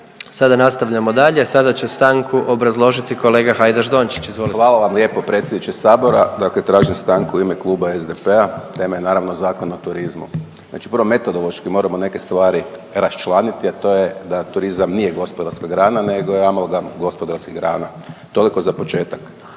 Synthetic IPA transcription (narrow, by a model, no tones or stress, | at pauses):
sad̪anast̪aʋʎamod̪aʎe̞sad̪at͡ɕest̪aŋkʰuʔo̞bɾazlˠo̞ʒit̪iko̞le̞ːɡaxajd̪aʒd̪o̞nt͡ʃi̥t͡ʃizʋolixʋaːlˠaʋamlje̞ːpopɾe̞t̪sʲjed̪nit͡ʃesaːbo̞ɾa̰d̪aklet̪ɾaːʒimst̪aŋkuimeklˠuːbaezd̪epeat̪e̞majenaːɾaʋnozaːkonot̪uɾizmṵ | zna̰ːt͡ʃi̥pɾʋome̞t̪od̪olˠo̞ʃkimo̞ːɾamone̞kest̪ʋaːɾiɾast͡ʃlˠanit̪iat̪o̞jed̪at̪uɾizamniːjeɡo̞spod̪aɾskaɡɾaːnaneɡojeamalɡaɡo̞spod̪aɾskiɡɾa̰ːna | t̪o̞liko̞zapo̞t͡ʃeːt̪ak